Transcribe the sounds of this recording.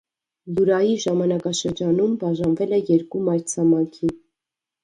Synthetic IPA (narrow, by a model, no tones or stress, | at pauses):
luɾɑjiʒɑmɑnɑkɑʃəɾd͡ʒɑnumbɑʒɑnvɛlɛjɛɾkumɑɾt͡sʰɑmɑŋkʰi